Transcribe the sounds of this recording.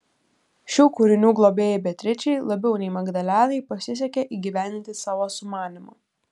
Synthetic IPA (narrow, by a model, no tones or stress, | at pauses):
ʃʲuːkʊɾʲɪnʲuːɡlˠoːbʲeːjɛbʲɛt̪ʲɾʲɪt͡ʃʲɛɪlˠɐbʲɛʊnʲɛɪmɐɡd̪ɐlʲæːnɐɪpɐsʲɪs̬ʲɛkʲeʔiːɡʲiːʋʲænd̪ʲɪnt̪ʲɪsɑːʋoːsʊmɑːnʲɪmʊ̰